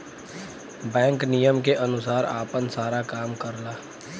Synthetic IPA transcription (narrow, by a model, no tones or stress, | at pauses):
bɛ̃ːŋknijəmkeʔɐnʊsaːɾa̰ːpənsaːɾakaːmkəɾlaː